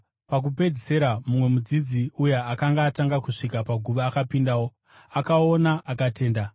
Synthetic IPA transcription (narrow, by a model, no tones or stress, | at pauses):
pak̬upe̞d͡zise̞ɾamumwe̞mud͡zid͡ziujeakaŋɡaːtaŋɡakuʂikapaɡʱuʋaːkapindawo̞ | akao̞naʔakate̞ːnda